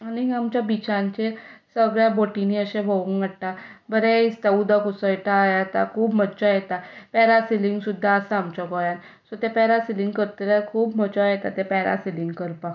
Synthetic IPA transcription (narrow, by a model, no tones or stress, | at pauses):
aniamt͡ɕjabit͡ɕãɲt͡ɕesəɡɭjaboʈiniəɕẽbʱouŋɡəɽʈabəɾeist̪aud̪akusəjʈajat̪a̰kʰuːbmət͡ɕajɛt̪apɛɾasiliŋɡsud̪ʱːaəsaːmt͡ɕɔkɔjan | sɔt̪epɛɾasiliŋɡkəɾt̪əɾakʰuːbmət͡ɕɔjet̪a̰t̪epɛɾa̰siliŋɡkəɾpa